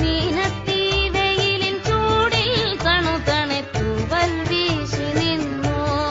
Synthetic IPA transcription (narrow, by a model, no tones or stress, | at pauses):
minɐt̪ːiʋejililt͡ɕuːɽilt̪ɐɳut̪ɐɳet̪ːuʋɐlʋiːɕininːo